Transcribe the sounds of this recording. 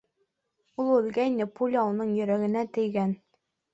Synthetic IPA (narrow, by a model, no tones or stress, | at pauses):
ulˠɵ̆lɡæjnɘpulʲɑulˠnɤɴjɵ̆ɾæɡɘ̆næt̪ɘ̆jɡæn